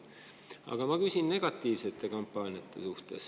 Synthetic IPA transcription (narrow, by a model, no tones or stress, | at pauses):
ɑ̰ɡ̥ɑmɑkysʲinne̞ɡ̥ɑt̪ˑːiːvse̞t̪ːˑe̞kompˑːɑːnijɑt̪ːˑe̞suht̪e̞s